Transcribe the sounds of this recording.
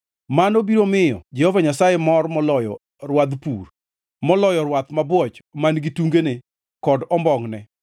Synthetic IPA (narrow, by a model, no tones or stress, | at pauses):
manobiɾomɪjɔ̰d͡ʒɛhɔvaɲasajɛmɔrmɔlɔjɔ̰ | rwad̪pur | mɔlɔjɔɾwat̪mabwɔt͡ʃmanɡituŋɡene | kɔdɔmbɔŋnɛ